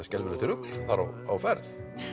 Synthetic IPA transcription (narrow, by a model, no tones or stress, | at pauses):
ɛscɛlmɪnɪt̪ɪɾʏkl̥θaɾa̰w | awfɛɾð